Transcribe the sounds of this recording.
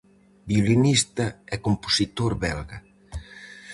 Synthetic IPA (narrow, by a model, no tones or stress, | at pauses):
biolinist̪ɐɛkomposit̪oɾβɛlɣɐ